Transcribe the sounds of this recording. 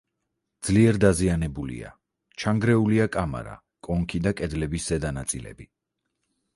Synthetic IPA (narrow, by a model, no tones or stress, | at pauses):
d̪z̥liɛɾd̪azianɛbulḭa̰ | t͡ʃʰaŋɡɾɛuliakʼama̰ɾa̰ | kʼɔŋkʰid̪akʼɛd̪lɛbisz̥ɛd̪anat̪sʼilɛ̰bi